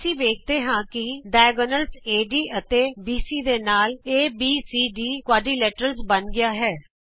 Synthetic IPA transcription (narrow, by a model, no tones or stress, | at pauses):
sĩːʋeːk̚ʰt̪eːɦãːkɪɖaːjɡonəlseːɖiːʔət̪eːbiːsiːd̪eːnaːleːbiːsiːɖiːkwaːɖiːlɛːʈɾəlsbənɡɪjaːɦɛː